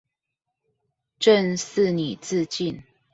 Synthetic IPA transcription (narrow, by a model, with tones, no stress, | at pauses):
ʈ͡ʂə˥˨ns̩˥˨ni˨˩t͡sɹ̩˥˧t͡ɕi˥˨n